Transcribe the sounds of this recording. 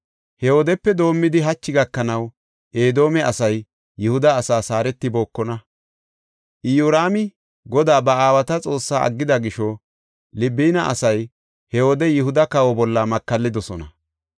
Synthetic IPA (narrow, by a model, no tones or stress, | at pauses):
hɛhoːd̪ɛpːɛd̪o̞ːmːɪd̪ɪɦɐt͡ʃːɪɡɐkːɐnɐw | ʔe̞ːd̪o̞ːmɛʔɐsɐjː | ɪhʊd̪ɐːsaːsaːɾɛt̪ːɪbo̞ːkːɔnɐ | ʔɪjuːɾaːmɪ | ɡɔd̪aːbɐaːwɐt̪ɐt͡sʼo̞ːsːaːʔɐ̰ɡːɪd̪ɐɡɪʃɔ | lɪbːiːnɐʔɐ̰sɐj | hɛwoːd̪ɛjɪhʊd̪ɐkɐwɔbɔlːɐmɐkːɐlːɪd̪ɔsɔnɐ̰